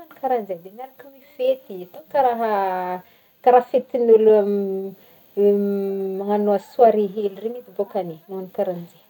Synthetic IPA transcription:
anikaɾand͡zed̪enaɾakumifet̪iat̪okaɾaɦa | kaɾahfet̪inul | maŋanoaswaɾiɦeluremid̪ibokanenaanikaɾand͡ʒe

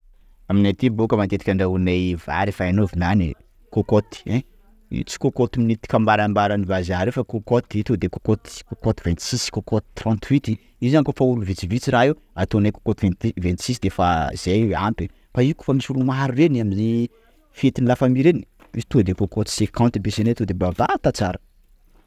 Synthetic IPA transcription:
aminat̪ibokəmant̪et̪i̥kʲaɳɖ͡ʐaunejva̰ɾefaanovinanḭ | kokot̪i̥ɛ̃ | ḭt͡si̥kokot̪iminit̪i̥kambaɾambaɾanivazaɾefakokot̪it̪ud̪ekokot̪i̥kokot̪ivɛnt̪i̥siskokot̪i̥t̪rãnt̪ʰwit̪i | izankofauluvit͡sivit͡siɾaɦi | at̪onajko̥kot̪ivɛnt̪vɛ̃nt̪i̥sisd̪efaz̥ewampe | faiku̥famisulumaɾuɾenamini | fet̪inilafamiɾeni | izit̪ud̪ekokot̪i̥sekɔ̃nt̪ibesenet̪ud̪ebaba̰t̪at͡saɾə̥

